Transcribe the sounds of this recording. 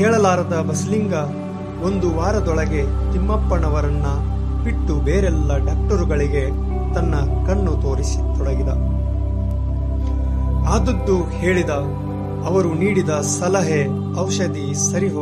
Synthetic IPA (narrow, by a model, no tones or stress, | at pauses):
ɛːɭɐlaːɾɐd̪ɐbɐsliŋɡɐ | o̞nd̪uʋaːɾɐd̪ɔɭɐɡe̞t̪imːɐpːɐɳɐʋɐɾɐnːɐpiʈːubeːɾɛlːɐɖaːk̚ʈɐɾuɡɐɭiɡe̞ | t̪ɐnːɐ | kɐɳːut̪o̞ːɾisi̥t̪ɔɽɐɡid̪ɐ | aːd̪ɐd̪ːuhe̞ːɭid̪ɐː | ʋɐɾuniːɽid̪ɐsɐlɐɦe | ɐwʃɐd̪i | sɐɾiɦo